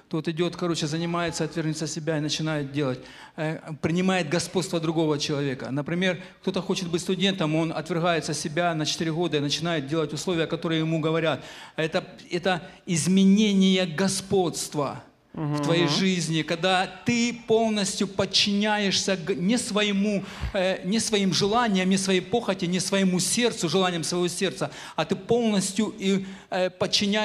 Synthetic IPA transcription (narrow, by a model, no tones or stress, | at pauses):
t̪o̞t̪ɪdʲo̞t̪kɐɾo̞t͡ɕɪzənʲɪmajɪt̪səɐt̪vʲɪrnʲut̪səsʲɪbʲaɪnət͡ɕɪnajɪt̪̚dʲe̞lˠət̚ʲ | pɾʲɪnʲɪmajɪt̪̚ɡɐspo̞t̪st̪vəd̪ɾʊɡo̞vət͡ɕɪlˠɐvʲe̞kə̰nəpɾʲɪmʲe̞rkt̪o̞t̪əxo̞t͡ɕɪt̪̚bɨtʲst̪ʊdʲe̞nt̪əmo̞nɐ̰t̪vʲɪrɣajɪt̪səsʲɪbʲanət͡ɕɪt̪iɾʲɪɣo̞d̪əɪnət͡ɕɪnajɪt̪̚dʲelˠətʲʊslˠo̞vʲɪjəkɐt̪o̞ɾɨjəjɪmuɡəvɐɾʲat̪ɛt̪ə | ɛt̪ə | ɪzmʲɪnʲenʲɪjəɡɐspo̞t̪st̪vɐ | ft̪vɐjejʐɨzʲnʲɪkɐɡ̚d̪at̪ɨpo̞lˠnəsʲtʲjʊpət͡ɕːɪnʲæjɪʂsʲəɡnʲɪsvɐjɪmu | nʲɪsvɐimʐɨlˠanʲɪjəmnʲɪsvɐjejpo̞xətʲɪnʲɪsvɐjɪmusʲe̞rt̪sʊʐɨlˠanʲɪjəmsvəɐjvo̞sʲe̞rt̪sə | ɐt̪ɨpo̞lˠnəsʲtʲjʊipət͡ɕːɪnʲæ